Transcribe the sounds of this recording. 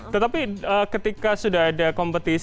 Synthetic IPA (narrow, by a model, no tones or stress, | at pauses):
t̪ət̪apiəkət̪ikasudaɦadakompət̪i